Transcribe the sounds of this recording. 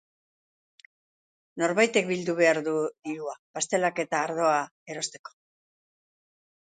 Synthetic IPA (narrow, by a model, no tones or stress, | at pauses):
no̞ɾβajt̪e̞k̚bild̪uβ̞e̞aɾðuðiɾuapast̪e̞lake̞t̪aːɾð̞o̞ae̞ɾo̞st̪e̞ko̥